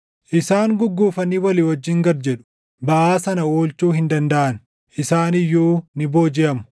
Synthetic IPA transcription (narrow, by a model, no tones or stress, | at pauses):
ʔɪsaːŋɡʊɡːuːfɐnːiːwɐlɪːwɔd͡ʒːɪːŋɡɐɾd͡ʒɛᶑʊ̥ | bɐʔaːsɐnɐoːlt͡ʃuːhɪnd̪ɐnd̪ɐʔɐn | ʔɪsaːnɪjːuːnɪboːd͡ʒɪʔɐmʊ̥